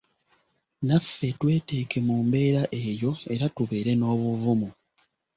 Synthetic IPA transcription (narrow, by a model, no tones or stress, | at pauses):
nafːe̞twe̞ːte̞ːke̞muːmbe̞ːɾaʔe̞ːjo̞e̞ɾatuβe̞ːɾe̞no̞ːβuvumu